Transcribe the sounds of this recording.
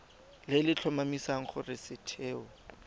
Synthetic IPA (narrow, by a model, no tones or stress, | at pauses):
lɪlɪt͡ɬʰɔmamisaŋ̩χʊrɪsɪtʰeːɔ